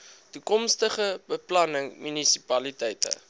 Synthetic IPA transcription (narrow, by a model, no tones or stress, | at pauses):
tukɔmstəχəbəplɐnəŋmynisi̥pɐlitɛjtə̰